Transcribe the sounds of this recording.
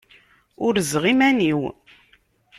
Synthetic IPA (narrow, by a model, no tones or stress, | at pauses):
ʊɾzʁimæniw